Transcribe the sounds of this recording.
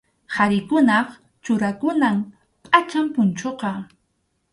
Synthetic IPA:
haɾɪkʊnɑχ | t͡ʃʊɾakʊnam | pʼat͡ʃampʊnt͡ʃoqɑ

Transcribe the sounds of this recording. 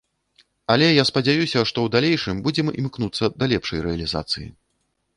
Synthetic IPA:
ɐlʲɛjaspɐd͡zʲajusʲɐʂt̪ɔwd̪alʲejʂɨmbud͡zʲɛmḭmknut̪sːɐd̪ɐlʲɛpʂɐjɾɛɐlʲiza̰t̪sɨjḭ

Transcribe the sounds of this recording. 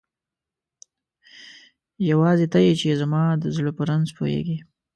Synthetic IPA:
jawɑzet̪ajet͡ʃezamɑd̪əzɪlopəɾanzpʰo̰ḛɡi

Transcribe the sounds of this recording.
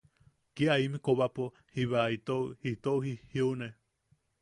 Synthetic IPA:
kiaimĩkoβapo | hiβait̪ohit̪ouhihiune

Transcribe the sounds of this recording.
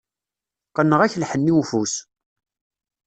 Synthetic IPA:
qənːəʁæçlħənːiwfus

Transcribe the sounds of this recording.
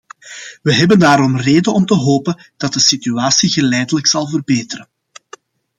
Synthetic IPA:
ʋəɦɛbəndaːɾɔmreːdənɔmtəɦoːpənd̥ɑt̚dəsityaːsiɣəlɛjdələksɑlˠvərbeːtəɾən

